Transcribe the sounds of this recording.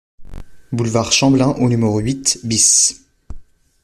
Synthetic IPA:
bulvaʁʃɑ̃blɛ̃ʔonymeʁoɥit̪bis

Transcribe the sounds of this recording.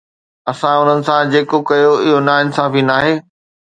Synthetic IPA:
ɐsãʊn̤ənɪ̆sãd͡ʑeːkokɐjoɪɦonaːɪnsãːfinaːɦeː

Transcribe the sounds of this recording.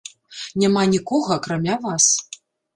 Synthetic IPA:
nʲamanʲikɔɣɐːkɾamʲavas

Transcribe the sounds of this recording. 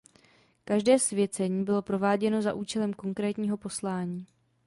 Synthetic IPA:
kaʒdɛːsvjɛt͡sɛɲiːbɪlo̞pɾo̞vaːɟɛno̞zaʔuːt͡ʃɛlɛmko̞ŋkɾɛːt̪ɲiːɦo̞po̞slaːɲiː

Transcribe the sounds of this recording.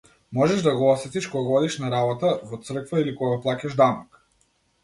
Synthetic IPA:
mɔʒɛʒd̪aɡɔɔsɛt̪iʃkɔɡaɡɔd̪iʃnaɾabɔt̪avɔt̪sr̩kvailikɔɡaplˠacaʒd̪anɔk

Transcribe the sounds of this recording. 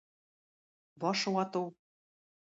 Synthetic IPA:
bɒʃɤwɑt̪ɤw

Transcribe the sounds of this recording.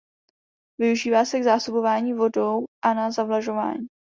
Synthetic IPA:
vɪuʒiːvaːsɛɡzaːso̞bo̞vaːɲiːvo̞dowʔanazavlaʒo̞va̰ːɲi

